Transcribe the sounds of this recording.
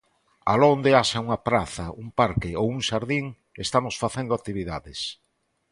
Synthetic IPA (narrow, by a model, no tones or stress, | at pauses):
a̰lond̪eaʃauŋɐpɾaθɐumpaɾkɪowuŋʃaɾðiŋ | est̪amosfaθend̪oakt̪iβiðaðɪs